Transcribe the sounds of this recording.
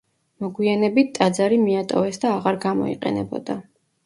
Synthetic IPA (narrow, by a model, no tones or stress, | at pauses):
mɔɡwianɛbit̪̚ʰt̪ʼːad̪zaɾimiat̪ʼɔvɛsd̪aːʁaɾɡamɔ̰ḭqʼɛ̰nɛ̰bɔ̰d̪̥a